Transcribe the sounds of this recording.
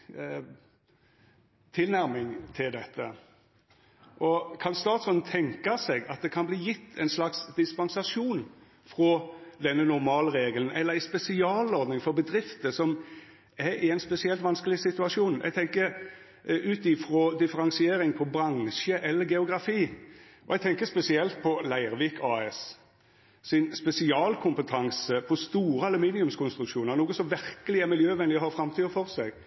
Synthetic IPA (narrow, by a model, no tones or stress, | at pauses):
t̪ʰɪlnæɾmɪŋt̪ʰɪld̪ɛt̪ʰːə | ʔɔkʰɑnst̪ɑːt̪sɔnt̪ʰɛŋkɑsɛɡɑt̪̚d̪ɛkʰɑnbliːjɪt̪ʰːɛɪnslɑksd̪ɪspɑnsɑʂuːn | fɾɔd̪ɛnːənʊɾmɑːləɾeːɡələn̩ɛlːəɾæɪspɛsɪɑːlɔɾd̪nɪŋfɔɾbəd̪ɾɪft̪əsɔm | ɛɾɪɛɪnspɛsɪɛlt̪ʋɑnskəlɪsɪt̪ʉɑʂuːnʔɛ̰ɡ̚t̪ʰɛŋkəɾ | ʉːt̪ɪfɾɔd̪ɪfəɾɑŋsɪeːɾɪŋpʰɔbɾɑnʃəʔɛlːəɾɡɛʊɡɾɑfiː | ʔɔ̰ɛɡ̚t̪ʰɛŋkəspɛsɪɛlt̪̚pʰɔlæɪɾʋiːkʰɑːɛs | sɪnspɛsɪɑːlkʰʊmpət̪ʰɑŋsəpʰɔst̪uːɾəɑlʉmiːnɪʉmskʰʊnst̪ɾʉkʃuːnəɾnuːɡəsɔmʋɪɾkəlɪæɾmɪljøːʋɛnɪəhɑɾfɾɑmt̪ʰyːd̪əfɔɾsɛɡ